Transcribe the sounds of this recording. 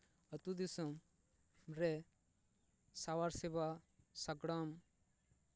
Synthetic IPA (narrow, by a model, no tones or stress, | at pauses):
ɐt̪ud̪isɐm | ɾɛ | sawaɾsebasɐɡɽam